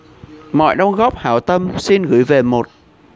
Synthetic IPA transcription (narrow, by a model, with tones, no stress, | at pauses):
mɔ̰˧˨jɗɔ˧wŋ͡mɣɔ˦˥p̚haː˧˨˦wt̪ə˧msi˧nɣɨ̰˧˦jve˨˩mo˨˩t̚